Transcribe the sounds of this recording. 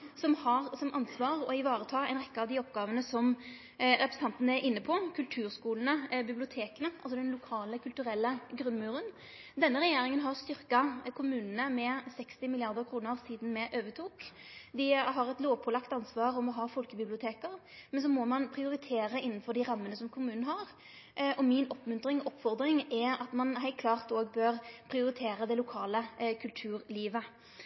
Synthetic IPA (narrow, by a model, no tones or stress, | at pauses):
sɔmhɑʁsɔmʔɑnsʋɑːʁɔɪʋɑːɾət̪ʰɑːɛɪnʁɛkːəɑʋd̪ɪɔpɡɑːʋənəsɔm | ɾɛpɾɛs̩n̩t̪ɑnt̪ənəæɾɪnːəpʰɔkʰʉlt̪ʰʉːɾskuːlənəbɪblɪʊt̪ʰeːkənəʔɑls̬ɔd̪ɛnlʊkʰɑːləkʰʉlt̪ʉɾɛlːəɡɾʉnmʉːɾən | d̪ɛnːəɾɛjeːɾɪŋənɦɑʁst̪ʏɾkɑkʰʊmʉːnənəmɛsɛkst̪ɪmɪlɪɑʁd̪əɾʁkʰɾuːnəʁsiːd̪n̩mɛʔøːʋət̪ʰuːkd̪ɪɦɑɾɛt̪loːʋpʰɔlɑkt̪ɑnsʋɑːʁɔmɔɦɑːfɔlkəbɪblɪʊt̪ʰeːkəʁ | mɛns̬ɔmɔmɑnpʰʁɪʊɾɪt̪ʰeːɾəɪnːnfɔʁɖ̪ɪʁɑmːənəsɔmkʰʊmʉːnn̩ɦɑɾ | ʔɔmɪnɔpmʉnt̪ɾɪŋɔʔɔpːfɔʁd̪ɾɪŋɛɑt̪mɑnɦæɪt̪̚kʰlɑːʁt̪oːɡbøːɾpʰɾɪʊɾɪt̪ʰeːɾəd̪ɛlʊkʰɑːləkʰʉlt̪ʰʉːɾliːʋə